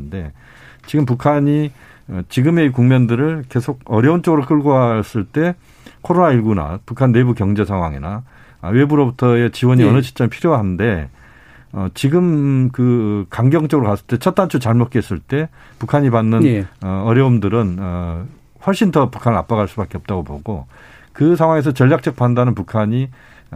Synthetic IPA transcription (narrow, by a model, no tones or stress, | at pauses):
nde̞ | t͡ɕiɡɯmpukʰaɲi | ʌt͡ɕiɡɯme̞ikuŋmindɯɾɯɭke̞sʰoɡ̚ʌɾjʌunt͡ɕ͈ʌɡɯɾok͈ɯɭɡoɦas͈ɯɭt͈e̞ | kʰoɾonaiɭɡuna̰pukʰanːe̞bukjʌŋd͡ʑe̞sʰaŋɦwa̰ŋḭna | we̞buɾobutʰʌet͡ɕiwʌɲiʌnɯd͡ʑʰi̥t͡ɕ͈ʌŋɭpʰiɾjowaɦande̞ | ʌt͡ɕiɡɯmkɯkaŋɡjʌŋt͡ɕ͈ʌɡɯɾokas͈ɯɭt͈e̞t͡ɕʰʌt̚t͈ant͡ɕʰut͡ɕaɭmot̚k͈ees͈ɯɭt͈e̞ | pukʰaɲipanːɯnʌʌɾjʌumdɯɾɯnʌ | ɸwʌɭɕ͈intʌpukʰanɯɭɾa̰p͈aɡɦaɭs͈ubak͈e̞ʌp̚t͈aɡopo̰ɡo | kɯs̬ʰaŋɦwaŋe̞s̬ʰʌt͡ɕʌʎːak̚t͡ɕ͈ʌk̚pandanɯnpukʰaɲi